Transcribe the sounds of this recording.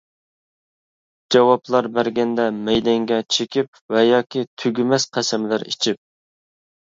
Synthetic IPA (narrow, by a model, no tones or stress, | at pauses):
d͡ʒɑwɑplˠɑɾbæɾɡʲɛnd̪ɛmɛjd̪ɛŋɡʲɛt͡ʃʰekʲip | vɛjɑːkʲit̪ʰyɡʲymɛsqʰæsɛmlæɾḭt͡ʃʰip̚